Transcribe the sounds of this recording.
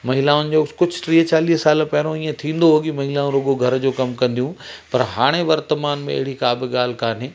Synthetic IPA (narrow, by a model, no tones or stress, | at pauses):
mɐɦɪlaːʊnɪ̆d͡ʑoːkʊd͡ʑʱʈɾiːɦt͡ɕaːliːɦsaːlpɐɦɪɾ̃õĩːẽt̪ʰĩːn̆d̪oɦoːɠimɐɦɪlaːũɾoːɠoɡʱɐɾd͡ʑoːkɐmkɐ̃nd̪ijũpɐɾɦaːɽ̃eʋɐɾt̪əmaːnmẽɐ̰ɦɪɽ̤ikaːbɪɠaːl̤ɪkaːn̤eː